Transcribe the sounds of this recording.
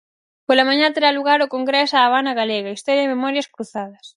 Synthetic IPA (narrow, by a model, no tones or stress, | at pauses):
polɐmãɲat̪eɾaluɣaɾokoŋɡɾɛsaːβanɐɣaleɣɐist̪ɔɾjaðememɔɾjɐskɾuθað̞ɐs